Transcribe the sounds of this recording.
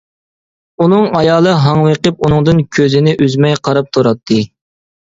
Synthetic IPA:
unɨŋɑjɑːlˠɨɦɑŋweqəp̚unɨŋd̪ɨnkʲʰøzɪnɪʔyzmɛjqʰɑɾɑp̚t̪ʰuɾɑt̪ʰːɨ

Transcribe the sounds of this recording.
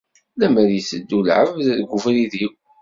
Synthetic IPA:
læməɾjəsəd̪ːulʕəvðɡʷʊfɾiðiw

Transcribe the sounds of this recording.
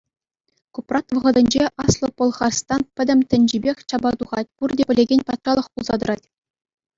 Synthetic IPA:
kuprɑt̪ʋɤ̆ʁɤ̆d̪ʲɘ̆nʲd͡ʑeʔɑslˠopŏlˠχɑrst̪ɑnpʲɘ̆dʲɘ̆mʲtʲɘ̆nʲd͡ʑibʲexʲt͡ɕɑbɑt̪uʁɑt̚ʲpurdʲepʲɘ̆lʲeɡʲenʲpɑt̪rɑlˠɤ̆χpulˠzɑd̪ɤ̆ɾɑtʲ

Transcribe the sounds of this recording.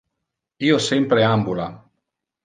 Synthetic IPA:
iːosɛmpɾeambula

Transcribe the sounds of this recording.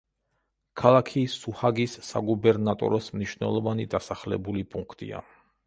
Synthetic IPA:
kʰalˠakʰisuhaɡisːa̰ɡubɛɾnat̪ʼɔ̰ɾɔsmniʃwnɛ̰lˠɔvanid̪asaχlɛ̰bulipʼuŋkʰt̪ʼḭa̰

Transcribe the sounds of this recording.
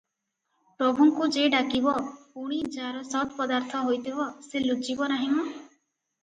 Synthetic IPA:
pɾɔbʱuŋkud͡ʒeɖakibɔpuɽ̃id͡ʒaɾɔsɔt̪pɔd̪aɾt̪ʰɔɦojt̪ibɔselud͡ʒibɔnaɦimɔ

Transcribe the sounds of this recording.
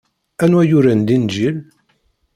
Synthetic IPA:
ænwæjʊɾænd̪ind͡ʒil

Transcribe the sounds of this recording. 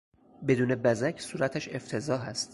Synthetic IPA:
be̞d̪uːne̞bæzæcʰsuːɾæt̪ʰæʃe̞ft̪ʰe̞zɒːɦæst̪

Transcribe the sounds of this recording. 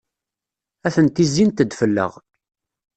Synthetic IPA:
æθənt̪izint̪əd̪fəlːə̰ʁ

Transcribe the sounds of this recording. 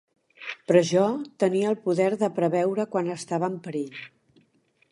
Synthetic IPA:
pɾɔʒɔt̪əniəːlˠpuðɛɾðəpɾəβɛwɾəkwanəst̪aβəːmpəɾeʎ

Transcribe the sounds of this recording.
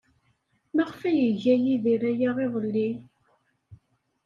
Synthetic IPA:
mæʁfæjəʝæjiðiɾæjæʁeðˤəlːi

